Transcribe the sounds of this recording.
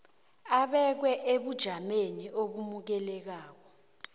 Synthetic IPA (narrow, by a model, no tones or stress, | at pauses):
aɓɛk̬wɛʔeɓud̥ʒ̥ʱameniʔoɓumuk̬ɛlɛk̬aːk̬ɔ